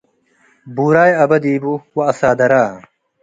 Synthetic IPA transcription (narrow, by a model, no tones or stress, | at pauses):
buːɾaːjɐbɐd̪iːbuwɐɐsaːd̪ɐɾaː